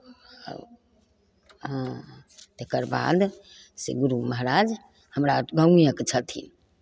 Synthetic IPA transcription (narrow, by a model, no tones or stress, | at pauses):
ə̰ | ɦãt̪ekəɾba̰d̪ | sḛɡuɾuməɦɾad͡ʒ | həmɾaɡə̃wijəkt͡ʃʰət̪ʰḭn